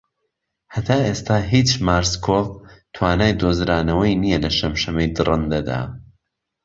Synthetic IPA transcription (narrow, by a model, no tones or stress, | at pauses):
hɐt̪ʰaːʔeːst̪aːɦit͡ʃmaːɾskʰovt̪ʰwaːnaːjd̪ozɾaːnɐwɐjnijɛlɐʃɐmʃɐmejd̪ɨrʔɨnd̪ɐd̪a̰ː